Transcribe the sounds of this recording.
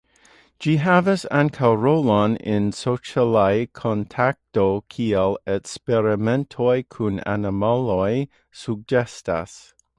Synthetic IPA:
d͡ʒ̥iɦævəsãnkʰaɹoʊlɔ̃nɪ̃nsoʊt͡ʃəlaɪkʰɔ̃ntʰak̚tokʰiəlˠɛkspɛɹɨmɛ̃ntʰɔɪkʰũnæ̰nəmalɔɪ | suɡ̚d͡ʒɛsta̰s

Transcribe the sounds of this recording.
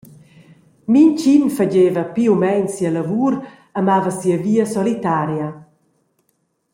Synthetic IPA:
mint͡ʃinfaɟeːvɐpiumɛɲsialavuːɾ | amavəsiəviːəsɔlit̪aɾja

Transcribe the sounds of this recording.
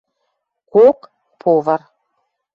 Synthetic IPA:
kok | pʰovə̆r

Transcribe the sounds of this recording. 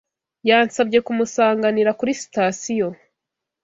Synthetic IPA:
jaːnsabɟe̞kumusaːŋɡaniɾakuɾisi̥tasijo̞

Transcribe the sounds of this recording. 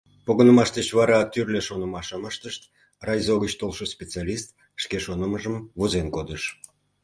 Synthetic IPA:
poɣənəmɑʃd̪ət͡ɕβɑɾɑt̪yrlʲeʃonə̆mɑʃəməʃt̪əʃt̪ | rɑjzoɣət͡ɕt̪olʃəspʲet͡salʲist̪ | ʃkeʃonəməʒəmvuzenkod̪əʃ

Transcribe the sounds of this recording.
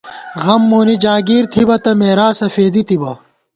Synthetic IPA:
ɣɐmːoːnid͡ʑaːɡiːɾt̪ʰibɐt̪ɐmeːɾaːsɐfeːd̪it̪ibɐ

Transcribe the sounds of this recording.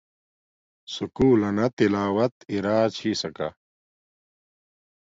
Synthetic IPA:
sukuːlɐnɐt̪ilaːwɐt̪iɾaːt͡ɕʰiːsɐka̰

